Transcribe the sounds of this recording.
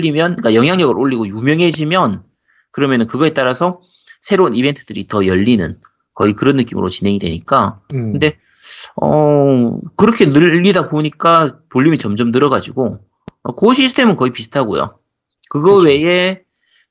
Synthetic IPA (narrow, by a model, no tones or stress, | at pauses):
imjʌnk͈ajʌŋɦjaŋɲʌɡɯɾʔoʎːiɡojumjʌŋɦe̞d͡ʑimjʌn | kɯɾʌmjʌnɯnkɯɡʌe̞t͈aɾasʰʌ | sʰe̞ɾounibe̞ntʰɯd̥ɯɾitʌjʌʎːinɯ̰n | kʌikɯɾʌnːɯk͈imɯɾo̰t͡ɕinɦe̞ŋidwe̞̰ɲik͈akɯnde̞ | ʌ̰ | kɯɾʌkʰe̞nɯːidaboɲik͈apoʎːimit͡ɕʌmd͡ʑʌmtɯɾʌɡad͡ʑiɡo | ʌkoɕʰisʰɯ̥tʰe̞mɯnkʌipisʰɯ̥tʰaɡo̰jo̰ | kɯɡʌwe̞e